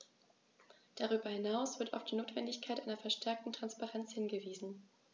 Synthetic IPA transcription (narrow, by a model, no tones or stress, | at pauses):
d̥aʁyːbɐhɪnaʊsv̥ɪɐtaʊfd̥iːnoːtv̥ɛndɪçkʰaɪtʔaɪnɐfɛɐʃtʰɛɐk̚tn̩tʁ̥anspaʁɛnt͡shɪnɡəviːzn̩